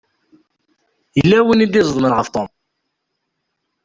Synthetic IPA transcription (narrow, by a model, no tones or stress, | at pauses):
jəlːæwinid̪izˤðˤməɾʁəft̪ˤom